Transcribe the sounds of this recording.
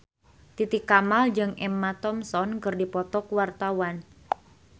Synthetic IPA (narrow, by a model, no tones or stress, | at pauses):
t̪it̪ikamald͡ʒɨŋɛmːat̪ɔmsɔnkɨrdipɔt̪ɔkuwart̪awan